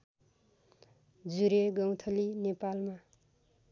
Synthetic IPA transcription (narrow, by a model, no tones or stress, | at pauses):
d͡zuɾeɡʌwt̪ʰʌlinepalma